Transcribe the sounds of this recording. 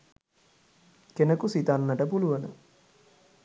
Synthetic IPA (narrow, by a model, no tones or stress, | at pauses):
kenəkusit̪anːəʈəpuluʋənə